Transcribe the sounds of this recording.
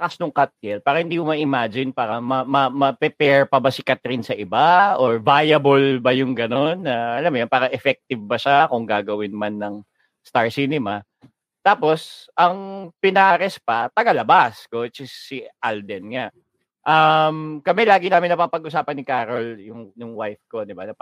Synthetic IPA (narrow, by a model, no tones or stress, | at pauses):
ɐkasnʊŋkat̪̚jɛnpaːɾɐhɪnd̪iːmʊmɐʔɪmaːd͡ʒɪnpaːɾɐmɐmɐmɐpɛpɛɹpɐbasɪkat̪ɾɪnsɐʔɪbaʔoɹvajɐbolbɐjʊŋɡɐnonːɐʔɐlamojonpaːɾɐʔɛfɛk̚t̪ɪvbɐʃakʊŋɡaːɡɐwɪnmanːɐŋ | st̪aɹsinɛma | t̪aːpo̞sʔɐŋpɪnaɾɛspɐt̪ɐɡalɐbaskot͡ʃɪsːiʔald̪ɛnŋa | ʔɐmkɐmɛlaːɡɪnaːmɪnɐpapɐɡ̚ʔʊsaːpɐnːɪkaːɾoljʊŋnʊŋwajfkod̪ɪbanɐp